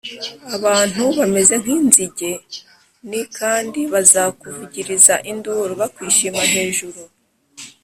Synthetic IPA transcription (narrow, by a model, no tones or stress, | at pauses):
aβaːn̥uβame̞ze̞ŋ̥inziɟe̞ | nikʰaːndiβazakuviɟiɾizaʔinduɾoβakwiːʃimaɦhe̞ːʒuɾu